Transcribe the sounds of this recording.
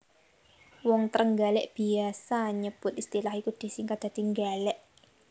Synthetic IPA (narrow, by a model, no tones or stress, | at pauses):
wɔŋt̪əɾəŋɡalɛʔb̥i̤asaɲəb̥ʊt̪̚ist̪ilahikud̪̥i̤sɪŋkad̪̥a̤d̪̥iŋɡalɛʔ